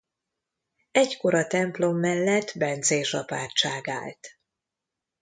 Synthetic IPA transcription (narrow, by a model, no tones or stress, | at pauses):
ɛɟko̞ɾɒt̪ɛmplo̞mːɛlːɛt̪ːbɛnt̪zeːʃɒpaːrt͡ʃaːɡa̰ːlt̪